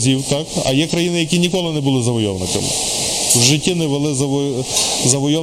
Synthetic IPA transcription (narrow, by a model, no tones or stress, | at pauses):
zʲiwt̪ɑkɐ̰jɛkɾɐjinɪjɐkʲinʲikɔlˠɪnɛbʊlˠɪzɐʋɔjɔʋnɪkɐ̰mɪ̰ | wʒɪtʲːinɛʋelˠɪzɐʋ | zɐʋɔjɔ